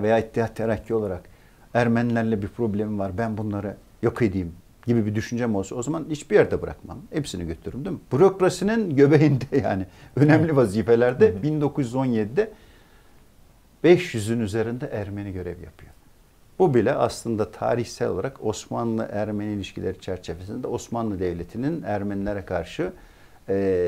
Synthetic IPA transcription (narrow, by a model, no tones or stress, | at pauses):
vejaːit̪ʰːihat̪ʰːeɾacʰːio̞lˠaɾak | æɾmænlʲæɾlʲɛbiɾpʰɾo̞blʲemivaɾbænbunlˠaɾɯ | jokʰed̪ijim | ɟibibid̪yʃynd͡ʒɛmolˠsuo̞zamanit͡ʃbijæɾd̪ɛbɯɾa̰kma̰mhepsiniɟøt̪ʰyɾymd̪imb̥uɾokɾasininɟø̞bejind̪ɛja̰ːnɪø̞nɛmlʲivaziːfe̞lʲæɾd̪ɛbind̪o̞kuzjyzo̞njed̪id̪ɛ | b̥ɛʃjyzynyze̞ɾind̪ɛʔæɾmeniɟø̞ɾɛ̰vja̰pʰɯjo̞ | b̥ubilʲɛaslˠɯnd̪at̪ʰa̰ːɾiçsɛlʲolˠaɾako̞smanlˠɯ̰ʔæɾmeniːlʲiʃcʰilʲeɾit͡ʃʰæɾt͡ʃʰevesind̪ɛo̞smanlˠɯd̪evlʲet̪ʰininæɾmænlʲeɾɛkʰaɾʃɯ | ɛː